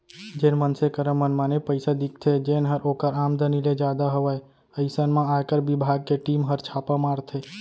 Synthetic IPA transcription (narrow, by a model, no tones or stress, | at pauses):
d͡ʒeːnmənsekəɾəmənmanepəɪsad̪ik̚ʰt̪ʰed͡ʒenɦəɾoːkəɾaːmd̪əniled͡ʒaːd̪aɦəʋəj | əɪsənmãaːkəɾbɪbʱaːɡ̚keʈiːmɦəɾt͡ʃʰaːpəmaːɾt̪ʰe